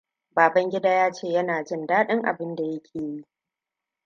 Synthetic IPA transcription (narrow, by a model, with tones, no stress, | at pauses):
baː˨bɐ˦ŋɡʲɪ˦daː˦jaː˦t͡ʃeː˦˨jɐ˦naː˨d͡ʒɪ˦ndaː˦ɗɪ˦ŋʔa̰˨bɪ˦nda˨jɐ˦kʲʰeː˨ji˦ʔ